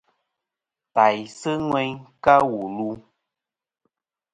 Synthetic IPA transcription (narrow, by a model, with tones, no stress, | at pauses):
ta˨jsɨ˦ŋwɛ˦ɲka˦wu˨lu˦